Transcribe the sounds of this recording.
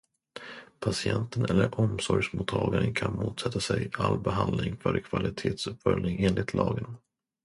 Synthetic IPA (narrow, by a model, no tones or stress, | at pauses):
pʰasɪɛnt̪ənɛlːəɾʔɔmsɔɾjʂmuːt̪ʰːɑːɡaɾənkʰanmuːt̪sɛt̪ːasɛjalbɛɦand̪lɪŋkvaɾkʰvalɪt̪ʰeːt̪sɵpːfœlnɪŋeːnlɪt̪ʰlɑːɡən